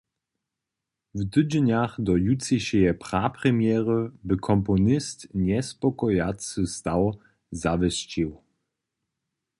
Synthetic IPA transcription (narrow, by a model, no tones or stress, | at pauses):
vd̪ɨd͡ʑnaxd̪ɔjutt͡siɕɛjɛpʁapɾɛmʲjɛʁəbɘkʰɔmpɔnɪst̪ɲɛspɔkɔjat͡sɨst̪aw | zavɛst͡ɕiw